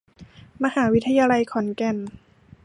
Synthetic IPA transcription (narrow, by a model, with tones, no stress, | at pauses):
ma˧haː˩˦wi˦˥t̪ʰːa˧jaː˧la˧jkʰɔ˩˦nkɛ˧n